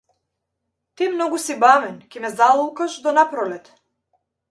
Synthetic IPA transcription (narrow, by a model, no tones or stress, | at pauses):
t̪imnɔɡusibamɛnkɛmɛzalˠɔlˠkaʃd̪ɔnapɾɔlɛt̪